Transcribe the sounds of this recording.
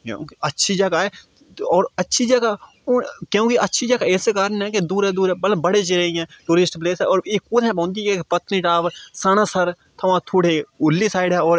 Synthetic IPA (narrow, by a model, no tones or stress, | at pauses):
kjõ̰ːkətːʃʰid͡ʒəɡaːe | ɔːɾətːʃʰiːd͡ʒəɡa | ʊkjõːkiətːʃʰid͡ʒəɡaeːsekaːɾənɦɛ̃ːked̪uːɾɛːd̪uːɾɛːbəlbəɽeːt͡ʃeɾəĩɛ̃ːʈuːɾɪsʈpleːsɦɛɔːɾeːkʊd̪ɦɛ̃ːpɔ̃ːnd̪ieːkpət̪niːʈaːʋsənãːsəɾ | t̪ʰəʋãːt̪ʰuːɽeːʊlːisaːɪɖɦɛːɔːɾ